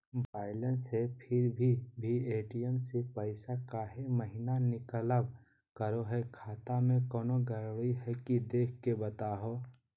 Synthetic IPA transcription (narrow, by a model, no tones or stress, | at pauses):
baːɪlənsepʰɪɾbʱibʱieːʈijəmsepəɪsakaːɦeməɦɪnanɪkələb | kəɾoɦɛkʰaːt̪amẽkɔːnoɡəɾiɦɛkid̪eːkʰkebət̪aːɦo